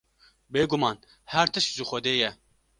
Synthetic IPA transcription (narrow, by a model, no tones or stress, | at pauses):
beːɡumɑːn | hæɾt̪ʰɨʃkʒɨxʷɛd̪eːjɛ